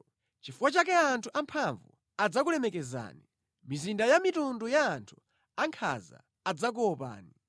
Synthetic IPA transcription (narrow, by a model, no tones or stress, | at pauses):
t͡ʃifuwat͡ʃakɛantʰuʔampʰaɱvṵ | ad͡zak̬ulɛmɛkɛza̰ːni | mizindajamitundujaːntʰu̥ | aŋkʰa̰za̰ː | d͡zak̬uɔpa̰ːni